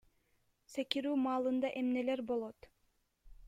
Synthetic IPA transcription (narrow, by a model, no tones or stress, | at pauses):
sekiɾyːmɑːlˠɯnd̪ɑʔemne̞leɾbo̞lˠot̪